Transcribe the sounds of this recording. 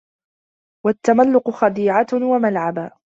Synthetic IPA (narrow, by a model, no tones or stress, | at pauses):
wat̪ːamalːʊqʊxɑd̪iːʕawamalʕaba